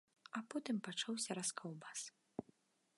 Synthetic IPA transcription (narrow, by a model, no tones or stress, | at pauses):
apɔt̪ɨmpat͡ʂawsʲɐɾaskʰɔwbas